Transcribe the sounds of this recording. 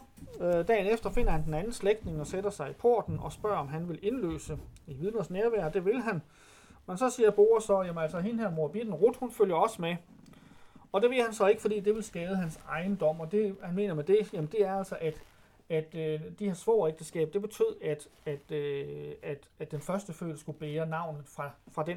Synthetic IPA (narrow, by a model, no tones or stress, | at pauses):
d̥ɛ̰ːnefd̥ɐfe̝n̰ɐhænd̥enænn̩sleɡ̥̚d̥ne̝ŋɒ̽sed̥ɐsɑ̈ɪipʰo̝ɐ̰d̥n̩ɒ̽sb̥ɶ̰ɐ̰ɒ̽mɦænʋe̝le̝nlø̰ːsəiʋiðˠnɐsneɐʋæɐ̰d̥e̝ʋe̝lɦæn | mensɒ̽siːɐb̥o̝ːɐsɒ̽jæmənælsɒɦinɦæɐmo̝ɐb̥id̥n̩ʁud̥hunføl̰jɐɒ̽səme | ɒ̽d̥e̝ʋe̝lhænsɒ̽e̝ɡ̥fɒdḭːd̥e̝ʋe̝lsɡ̥ɛːðˠəɦænsɑ̈ɪn̩d̥ɒ̽m̰ɒ̽d̥e̝hænme̝̰ːnɐmed̥e̝jæmən̩d̥e̝æɐæl̰sɒʔæd̥ | æd̥ød̥ihe̝ɐsmɔ̰ːeɡ̥̚d̥əsɡ̥ɛ̰ːb̥̚d̥e̝b̥e̝t͡sʰy̰ð̰ˠæd̥æd̥ | æd̥æ̥d̥enfɶɐsd̥əfø̰ːlsɡ̥ub̥eːɐnɑ̈ʊ̰nð̩ˠfʁɑ̈fʁɑ̈d̥en